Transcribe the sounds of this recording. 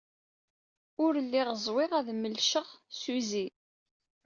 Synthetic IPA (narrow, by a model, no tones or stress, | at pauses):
ʊɾlːiʁəzˤwɪʁæðməlʃəʁsuzi